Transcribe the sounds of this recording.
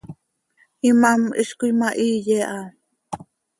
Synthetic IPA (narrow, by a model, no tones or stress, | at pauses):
imamḭʃkujmaʔijeʔa